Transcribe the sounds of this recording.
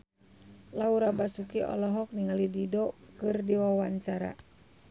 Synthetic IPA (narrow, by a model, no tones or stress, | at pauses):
lauɾabasukiʔɔ̰lɔɦɔk̚niŋalididɔkɨrdiwawaɲt͡ʃaɾa̰